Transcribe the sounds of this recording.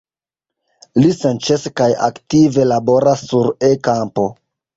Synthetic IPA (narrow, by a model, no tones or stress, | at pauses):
lisent͡ʃeskaja̰ktive̞labo̞ɾasːuɾekampo̞